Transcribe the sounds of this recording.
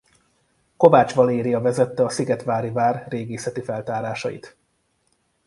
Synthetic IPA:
ko̞vaːt͡ʃʋɒleːɾiɒvɛzɛt̪ːɛɒsiɡɛt̪ʋaːɾivaːrreːɡeːsɛt̪ifɛlt̪aːɾaːʃɒ̰jḭt̪

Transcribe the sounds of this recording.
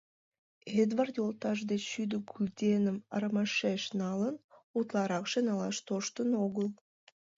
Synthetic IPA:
ed̪vart̪jolˠt̪ɑʒd̪eʃyd̪əɡylʲt̪ʲenəmɑɾmɑʃeʃnɑlˠənut̪lˠɑɾɑkʃenɑlˠɑ̰ʃt̪oʃt̪ənoɣəlˠ

